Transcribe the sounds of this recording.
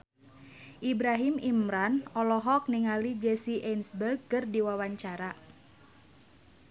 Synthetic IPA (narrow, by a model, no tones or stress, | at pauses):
ʔibɾaɦimimɾanɔlɔɦɔk̚niŋalid͡ʒɛsiʔɛnsbərɡ̚kɨrdiwawaɲt͡ʃaɾa